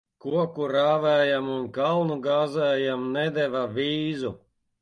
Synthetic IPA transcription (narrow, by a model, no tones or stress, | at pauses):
kuɔkuɾaːvæːjamunkalˠnuɡaːzæːjamnɛd̪ɛvavʲiːzu